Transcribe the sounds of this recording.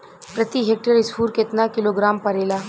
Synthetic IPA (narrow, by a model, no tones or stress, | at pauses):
pɾɐt̪iɦeːk̚ʈəɾɪspuːɾket̪nakɪloːɡɾaːmpɐɾeːlaː